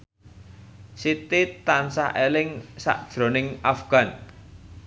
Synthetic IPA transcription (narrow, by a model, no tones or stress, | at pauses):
sit̪it̪ansa̰ʔelɪŋsa̰ʔd̥ʒ̥ɾo̤nɪŋafɡ̥a̤n